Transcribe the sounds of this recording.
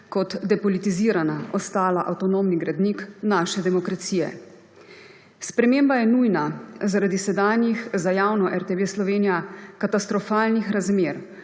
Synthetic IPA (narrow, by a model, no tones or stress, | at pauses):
kɔt̪d̪ɛpɔlit̪iziːɾanaɔst̪aːlaʔa̰wt̪ɔnomniɡɾad̪niknaːʃɛd̪ɛmɔkɾat̪siːjɛ̰ | spɾɛmembajɛnujnazaɾad̪isɛd̪aːnjixzajaːwnɔʔɛɾt̪ɛʋeːslɔʋeːnijakat̪ast̪ɾɔfaːlnixɾazmeːɾ